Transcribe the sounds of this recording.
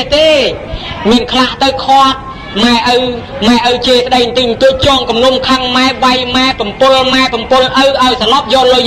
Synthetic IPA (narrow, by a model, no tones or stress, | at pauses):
t̪eː | miənkʰlaht̪ɨwkʰŏət̪̚ | maɛʔəw | maɛʔəwt͡ɕiːsə̆ɗəjnt̪ɨɲt̪uəc̚t͡ɕɔːŋkumlumkʰaŋmaɛʋajmaɛpɑmpʊlmaɛpɑmpʊlʔəwʔaɔjsɑlɑp̚jɔːlːoj